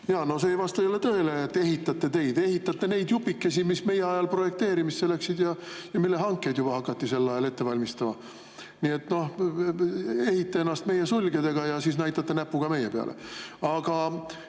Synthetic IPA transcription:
jɑːno̞seejvɑst̪ɑjolet̪ø̞eleːt̪ːe̞ɦit̪ːˑɑt̪ˑːe̞t̪e̞jd̪e̞hit̪ːɑt̪ːe̞ne̞jd̪̥jupːikːe̞simisme̞jeɑjɑlpro̞je̞kt̪eːɾimistːelæksid̪jɑjɑmilːeɦɑŋkːe̞jd̪̥jub̥ɑhɑkːˑɑt̪ːise̞lːɑjɑlet̪ːe̞vɑlʲmist̪ɑmɑ | nie̞t̪no̞h | e̞hit̪ːee̞nːɑst̪me̞jesulʲɡ̥ed̪e̞ɡ̥ɑjɑsiːs̬næjt̪ːˑɑt̪ːe̞næpːuɡ̥ɑme̞jepeɑ̰lʔḛɑɡ̥ɑ

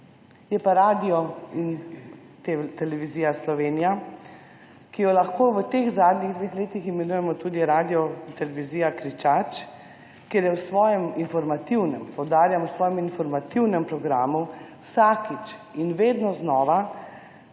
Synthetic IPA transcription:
jɛpaɾaːd̪ijɔin | t̪et̪ɛlɛʋiziːjaslɔʋeːnija | kijɔlaxkoːʋət̪eːɣzaːd̪niɣd̪ʋexleːt̪iximɛnuːjɛmɔt̪uːd̪iɾaːd̪ijɔt̪ɛlɛʋiziːjakɾit͡ʃat͡ʃ | keɾjɛwsʋɔːjɛminfɔɾmat̪iwnɛmpɔwd̪aːɾjamusʋɔːjɛminfɔɾmat̪iwnɛmpɾɔɡɾaːmuwsaːkit͡ʃinʋeːd̪nɔznɔːʋa

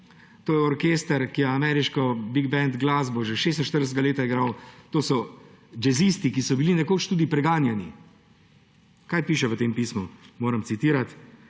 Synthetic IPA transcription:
t̪oːjɛɔɾkeːst̪əɾkijɛamɛːɾiʃkɔbiɡbɛnd̪ɡlazboʒɛʃeːst̪n̩ʃt̪əɾd̪əst̪ɡaleːt̪aiɡɾawt̪oːsɔ | d͡ʒɛzist̪ikisɔbilinɛkoːt͡ʃt̪ud̪ipɾɛɡaːnjɛni | kaːjpiːʃɛʋət̪eːmpiːsmumoːɾəmt̪sit̪iːɾat̪

